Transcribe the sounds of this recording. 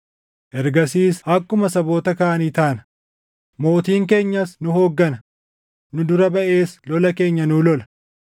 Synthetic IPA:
ʔɛɾɡɐsiːshɐkːʊmɐsɐbo̞ːt̪ɐkaʔɐnit̪ɐːnɐ | mo̞ːt̪iːŋke̞ːɲːɐsnʊɦo̞ːɡːɐnɐ | nʊd̪ʊɾɐbɐʔe̞ːslɔlɐke̞ːɲːɐnʊlɔlɐ̥

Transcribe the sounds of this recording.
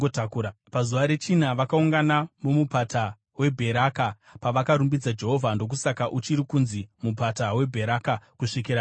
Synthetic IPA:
otakuɾapazuʋaɾe̞t͡ʃinaʋakauŋɡanamomupata | we̞bʱe̞ɾaka | paʋakaɾumbid͡zad͡ʒe̞ɦo̞vʱando̞k̬usakaʔut͡ʃiɾikunzimupatawe̞bʱe̞ɾakakuʂikiɾa

